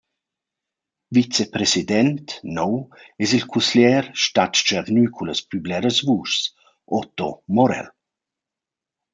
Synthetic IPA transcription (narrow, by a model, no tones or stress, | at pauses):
vit͡sepɾesidɛnt̪nɔwɛsilkʰusljɛːɾʃtat̪t͡ʃavnyːkʰuləspyblɛɾəsvuːʃs | ʔɔt̪ɔmɔɾɛ̰l